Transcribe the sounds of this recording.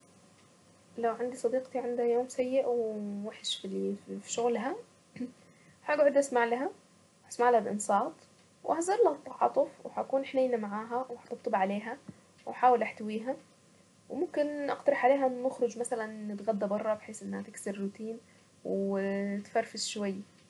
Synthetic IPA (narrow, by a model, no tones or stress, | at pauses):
lawʕand̪isˤɑd̪iːqt̪iʕand̪hajoːmsajːɪʔwwaħɪʃfilfiʃʊɣlɦa | ħaːɡʕʊd̪ʔasmaʕlaɦa | hasmaʕlahalʔɪ̰nsˤɑːt̪ˤ | wʔhazɑɾˤlɑt̪ˤːɑʕɑ̰ːt̪ˤʊfwɪhakuːnʔħnejnamaʕaːɦawħḁt̪ˤɨb̚t̪ˤːɨbʕaleːɦa | wʔaħaːwɪlʔaħt̪awiːɦa | wɪmʊmkɪnʔɑ̰qt̪ɑɾˤɪħʕaleːɦanːʊxɾʊd͡ʒmasalanːɪt̪ɣad̪ːabɑrˤːɑbħeːsʔɪnːhat̪ɪksɪɾːuːt̪iːn | wt̪fɑɾfɪsʃwajːa